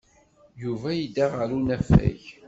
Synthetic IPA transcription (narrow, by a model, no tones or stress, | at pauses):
juvæjid̪aʁəɾunæfæ̰ç